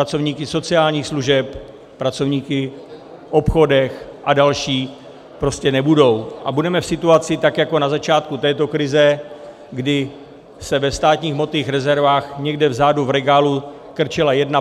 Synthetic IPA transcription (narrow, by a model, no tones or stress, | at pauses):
pɾat͡sovɲiːkɪso̞t͡sɪaːlɲiːxsluʒɛp | pɾat͡so̞vɲiːkɪ | ʔo̞pxo̞dɛxʔadalʃiː | pɾo̞scɛnɛbudo̞wʔabudɛmɛfsɪt̪uat͡sɪt̪akjako̞nazat͡ʃaːt̪̚kut̪ɛːt̪o̞kɾɪzɛ | ɡdɪ | sɛvɛfst̪aːt̪ɲiːxmo̞t̪iːxɾɛzɛɾvaːxɲɛɡdɛvzaːduvɾɛɡaːlu | kr̩t͡ʃɪlajɛdna